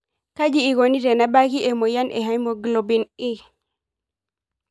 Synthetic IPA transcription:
ka˦d͡ʒiː˦˨ɡo˨ni˦ɾɛ˨na˨ba˦ki˦ʔɛ˨mɔ˨ja˦nʔɛ̰˨ɦa˦jmɔ˨ɡlo˨bi˨ni˦

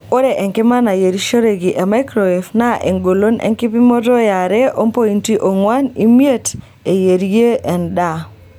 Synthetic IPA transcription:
o˦ɾɛ˨ʔɛ˨ŋkɪ˦ma˦na˨je˨ɾi˦ʃo˦ɾe˨ɡi˨ʔe˨ma˦ɪkɾo˨i˨fna˦ʔe˨ŋɡo˨lo˦nɛ̰˦ŋkɪ˦p̬i˦mo˦tɔ˦ja˨ɾɛ˦o˦mpo˦i˨nti˦ʔo˨ŋwa˦ni˦mje˦t | e˨je˨ɾje˦ʔɛ˨nda˦˨

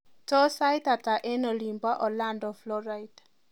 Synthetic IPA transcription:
tɔ˦sa˦ɪta˨ta˨ʔɛ˦nɔ˨lĩ˨mbwa˦ʔɔ˨lãndɔ˨flɔ˦ɹajt

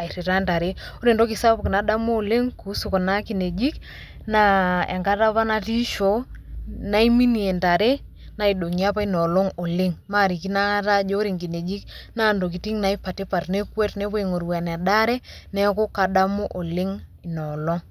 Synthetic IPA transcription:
a˨i˨ɾi˨ɾa˦nta˨ɾe˦ | o˦ɾe˨ndo˦ki˨sa˦pki˨na˨˦da˦mu˦o˨le˦ŋku˨˦su˨ko˨na˦ki˨ne˨d͡ʒi˦k | na˨ḛ˨ŋka˦ta˦βa˦na˨ti˦ʃo˨˦na˦i˦mi˦ni˨e˨nta˨ɾe˦ | na˨i˨ɗo˨ŋi˨a˦pa˦i˦nɔ˨lo˦ŋo˨lɪ˦ŋma˦˨ɾi˨ki˦na˦ta˦d͡ʒo˦ɾi˨ŋki˨ne˨d͡ʒi˦k | na˦ndo˨k̬i˨ti˦ŋna˨i˦pa˨te˦pa˨rne˦kwɛ˦tnɛ˦po˦e˨ŋo˨ɾwa˨n˨a˨da˦ɾɛ˦nɛ˦ko˦ka˨ɗa˦mo˦ʔo˨lɪ˦ŋi˨nɔ˨lɔ˦ŋ

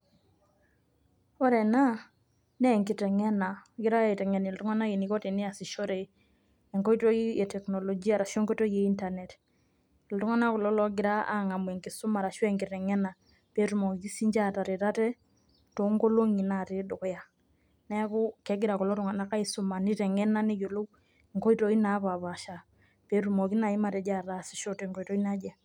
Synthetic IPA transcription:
ɔ˦ɾɛ˨na˦ | nɛ˦˨ŋki˨tɛ˨ŋɛ˦na˨ɡɪ˦ɾa˦˨i˨tɛ˨ŋɛ˨ni˨ltu˦ŋa˦na˦ji˨ni˨kɔ˦ti˨ni˦a˨si˨ʃo˦ɾe˨ | e˨ŋko˦i˦to˦i˦e˨tɛ˨kno˨lo˨d͡ʒi˦a˦˨ɾa˨ʃe˦ŋko˦to˦je˦i˦nta˨ne˨t | ltu˦ŋa˦na˦kɔ˨lɔ˦lɔ˦ɡɪ˦ɾa˦a̰˦ŋa˨mwɛ˨ŋki˨su˦ma˨ɾa˨ʃwe˦ŋki˨tɛ˨ŋɛ˦na˨ | pe˦ɾu˨mɔ˨ki˦si˦ɲd͡ʒa˦ta˨ɾi˨ɾa˦tɛ˦ | to˨˦ŋɡo˦lo˦ŋi˨na˨ti˦du˨kja˨ | nɛ˦ku˦kɛ˦ɡɪ˦ɾa˨kɔ˨lɔ˦tu˦ŋa˨na˦ka˦i˦su˦ma˨ni˦tɛ˨ŋɛ˦na˦ni˦jo˨lo˦ | e˨ŋko˦i˦to˦i˦na˦βa˨βa˨ʃa˨ | pe˨tu˨mo˨ki˦na˨i˦ma˦tɛ˨d͡ʒa˦˨ɾa˦si̥˨ʃo˦tɛ˨ŋko˨i˨to˦i˦na˦d͡ʒɛ˨

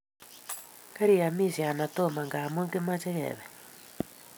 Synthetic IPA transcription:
ka˦ɾi˨a˨mi˦si˨a˨na˨to˦ma˨ŋɡaː˨mo˦ŋɡe˦ma˦t͡ʃe˦ɣɛ̰βɛ˨

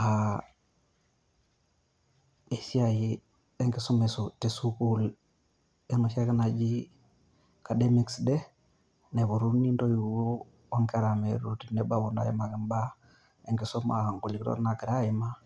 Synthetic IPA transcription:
a˨ | e˨si˦a˨ji˦ | ɛ˦ŋɡɪ˦su˦me˨su˨te˨su˦ku˦l | e˦nu˨ʃa˦kɪ˦na˨d͡ʒi˦ | ka˨de˦mi˦˨ksdɛ˦ | ne˨βo˨ɾu˦ni˦ndo˦ju˨o˦ | a˦ŋkɛ˦ɾa˨me˨ɾu˨ti˨ne˦ba˦bu˨nda̰˦i˦ma˨kɪ˨mba˦ | e˦ŋɡɪ˨˦sɔ˦ma̰˨a˨ŋku˨li˨ktɔ̰˦ɾna˨kɪ˨ɾa˦jɪ˨ma˦

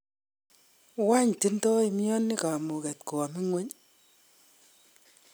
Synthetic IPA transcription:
wa˦ɲti˦ntɔ˦i˨mjɔ˦nːi˦ka˨mu˨kɛ˨tko˨a˨mi˦ŋwe˦ɲ

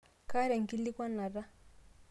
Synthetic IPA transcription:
ka˦ɾɛ˨ŋɡi˦li˦kwa˦na˨ɾa˦

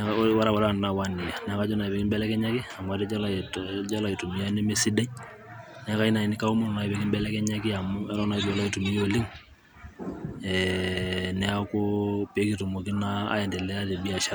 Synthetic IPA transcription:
wa˦ɾa˦˨wɔ˨la˦˨na˨wa˦ni˨ja˨nɛ˨a˦ka˦d͡ʒɔ˦na˨be˨ki˦mbɛ˦lɛ˦kɛ˦ɲa˦ki˦a˨m˨a˨tɛ˦d͡ʒa˦la˦d͡ʒa˦la˨i˨tu˨mi˦ja˦ne˦me˦si˦dɛ˦ɲ | nɛ˨a˦ka˦i˦na˨i˨ni˦ka˦u˦mo˦nɔ˨na˨i˨be˨ki˦mbɛ˦lɛ˦kɛ˦ɲa˦ki˦a˨mu˦ɛ˦ɾɔ˦na˨i˦ti˨wɔ˨la˦i˨tu˨mi˦jo˦li˦ŋ | ɛ | nɛ˨a˦ko˦pe˨˦ki˨to˨mo˨ki˦na̰ː˦jɛ˨ndɛ˨lɛ˦a˦de˨bi˦a˨ʃa˦

